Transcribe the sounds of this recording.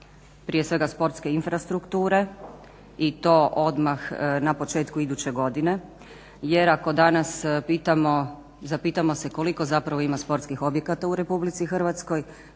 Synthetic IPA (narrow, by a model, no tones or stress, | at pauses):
pɾije̞sʋe̞ɡaspo̞ɾt̪ske̞infɾast̪ɾukt̪uːɾe̞ | it̪o̞ʔo̞d̪maxnapo̞t͡ʃe̞ːt̪kuid̪ut͡ɕe̞ɡo̞d̪ine̞ | je̞ɾako̞d̪anaspit̪amo | zapit̪amo̞se̞ko̞liko̞zapɾaʋo̞imaspo̞ɾt̪skixo̞bje̞kat̪auɾe̞publit̪sixər̩ʋat̪sko̞j